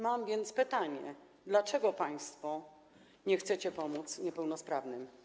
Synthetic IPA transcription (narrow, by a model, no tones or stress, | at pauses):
mamvʲjɛnt̪spɘt̪aɲɛ̰ | d̪lat͡ʂɛɡɔpaj̃st̪fɔ | ɲɛxt̪sɛt͡ɕɛpɔmut̪sɲɛpɛwnɔspɾavnɘm